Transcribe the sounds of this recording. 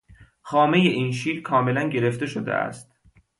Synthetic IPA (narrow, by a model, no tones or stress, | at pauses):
xɒːme̞je̞ʔiːnʃiːɾkʰɒːme̞lænɟe̞ɾe̞ft̪e̞ʃod̪ḛæ̰st̪̚